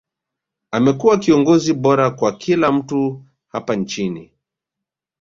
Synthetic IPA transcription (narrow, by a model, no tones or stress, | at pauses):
amɛkuwakiɔŋɡɔziɓɔɾakwakʰilam̩tu | hapant͡ʃini